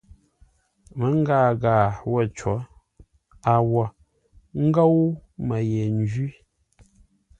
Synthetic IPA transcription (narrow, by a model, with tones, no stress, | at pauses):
mə˨˦ŋ˦ɡaː˦˨ɡaː˨wɔ˦˨t͡ʃwɔ˨˦ | a˨wɔ˨ | ŋ̩˦ɡa˦wmə˨jɛ˨n˦d͡ʒi˦